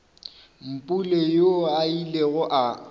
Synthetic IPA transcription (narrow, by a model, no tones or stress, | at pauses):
m̩pʼulejoaileɣʊʔa